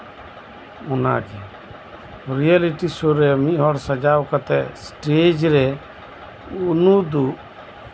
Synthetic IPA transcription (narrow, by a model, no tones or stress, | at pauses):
ɔna̰ɡɛ | ɾialiʈisoɾɛmiʔɦɔɽsad͡ʒawkat̪ɛsʈed͡ʒɾɛ | unud̪u